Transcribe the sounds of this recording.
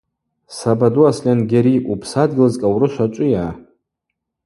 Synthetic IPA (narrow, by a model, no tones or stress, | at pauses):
sabaduaslʲanɡʲeɾiʔupʰsadɡʲɪlɨzkʼawrɨʃʷat͡ʃʷʼʊjaː